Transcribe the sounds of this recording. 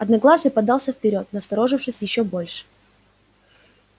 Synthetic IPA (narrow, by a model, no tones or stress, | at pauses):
ɐd̪nɐɡlˠazɨpɐd̪alˠsʲəfpʲɪɾʲo̞t̪nəst̪ɐɾo̞ʐɨfʂɨsʲjɪɕːobo̞lʲʂɨ̥